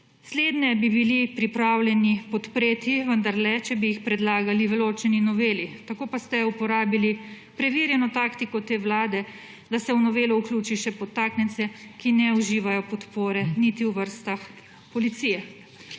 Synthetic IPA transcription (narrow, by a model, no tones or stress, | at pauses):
sleːd̪nɛbibilipɾipɾawlʲjɛnipɔt̪pɾeːt̪iʋənd̪aɾlɛt͡ʃɛbijixpɾɛd̪laːɡaliʋɛloːt͡ʃɛninɔʋeːlit̪akoːpast̪ɛupɔɾaːbili | pɾɛʋiːɾjɛnɔt̪aːkt̪ikɔt̪eːwlaːd̪ɛ | d̪asɛwnɔʋeːlɔuklʲuːt͡ʃiʃɛpɔt̪aːknɛnsɛkinɛuʒiːʋajɔpɔt̪poːɾɛnit̪iwʋəɾst̪ax | pɔlit̪siːjɛ